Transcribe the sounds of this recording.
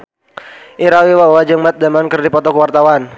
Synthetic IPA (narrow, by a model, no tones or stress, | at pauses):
ʔiɾawiwawad͡ʒəŋmat̪̚damankərdipɔt̪ɔkəwart̪awan